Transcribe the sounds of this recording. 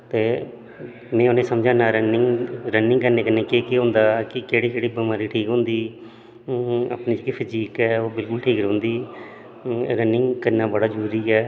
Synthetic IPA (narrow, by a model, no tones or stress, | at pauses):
t̪eː | nẽːoːneːsəmd͡ʒãːnaːɾənɪŋɡɾənɪ̃ŋɡkəɾneːkəneːkeːkeːɦʊ̃ːnd̪aːkɪkeːɽiːd͡ʒeːɽiːbəmaːɾiːʈʰiːkɦʊ̃ːnd̪iː | a̰pnĩːd͡ʒekipʰəd͡ʒiːkɛːoːbɪlkʊlʈʰiːkɾõːnd̪iː | ɾənːɪ̃ŋɡkəɾnãːbəɽaːd͡ʒəɾuːɾiːɛː